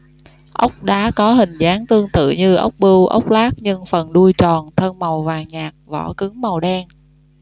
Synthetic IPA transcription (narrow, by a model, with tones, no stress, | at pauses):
ʔə˦˥wk͡p̚ɗa̰ː˨˦kɔ˨˦ɦï˨˩ŋ̟zaː˨˦ŋt̪ɨ˧əŋt̪ɨ̰˧˨ɲɨ˧ʔə̰˦˥wk͡p̚ɓɨ˧wʔə̰˦˥wk͡p̚laː˦˥k̚ɲɨ˧ŋfə˨˩nɗu˧jt͡ɕɔ˨˩nt̪ʰə˧nma˨˩wvaː˨˩ŋɲaː˨˩k̚vɔ̰˧˩kɨ˨˦ŋma˨˩wɗɛ˧n